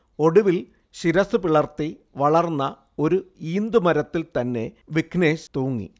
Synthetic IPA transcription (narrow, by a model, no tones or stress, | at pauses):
o̞ɽuʋil | ɕiɾɐsɨpiɭɐrt̪ːiʋɐɭɐrnːɐ | o̞ɾuiːnd̪umɐɾɐt̪ːilt̪ɐnːe̞ʋikʰneːɕt̪oːŋːḭ